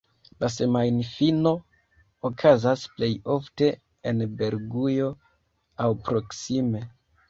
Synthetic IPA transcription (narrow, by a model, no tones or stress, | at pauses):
lase̞majnfino̞ | okʰazasple̞jo̞fte̞ | enbe̞ɾɡujo̞ | awpɾo̞ksime̞